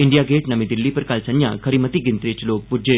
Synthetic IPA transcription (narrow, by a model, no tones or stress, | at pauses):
iɳɖijaɡeʈnəmid̪ilːipəɾkalsənja̰kʰəɾimət̪iɡint̪ɾet͡ɕlok̚bud͡ʒe